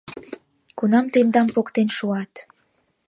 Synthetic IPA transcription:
kunɑmt̪end̪ɑmpokt̪enʃuɑt̪

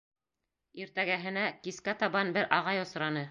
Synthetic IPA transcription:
iɾt̪æɡæɦɘ̆nækiskæt̪ɑβɑnbɘɾʔɑʁɑjŏsɾɑnɤ

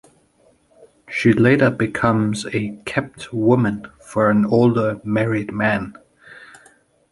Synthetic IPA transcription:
ʃileɪɾə˞bɨkʰʌ̃mzɨkʰɛp̚twʊmɨ̃nfə˞ɨ̃noʊlˠdə˞mɛɹɪd̚mæ̃n

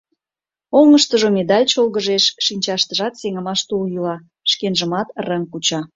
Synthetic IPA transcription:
oŋəʃt̪əʒomed̪ɑlʲt͡ɕolɣəʒeʃʃinʲt͡ɕɑʃt̪əʒɑt̪seŋə̆mɑʃt̪uljylɑ | ʃkenʒəmɑt̪ərəŋkut͡ɕɑ

